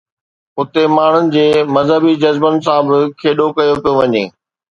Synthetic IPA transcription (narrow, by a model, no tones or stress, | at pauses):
ʊt̪emaːɳ̤ʊnɪ̆d͡ʑeːmɐzɦəbid͡ʑɐzbənɪ̆s̬ãbɪkʰeːɗokɐjopijoʋɐɲḛː